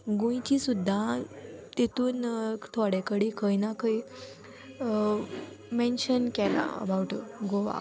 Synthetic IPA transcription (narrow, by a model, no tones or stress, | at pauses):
ɡõj̃t͡ɕisud̪ʱːat̪et̪uːnt̪ʰɔɽekəɽikʰəjnakəi | mɛ̃nɕənkɛla̰ə̰bawʈɡoʋa̰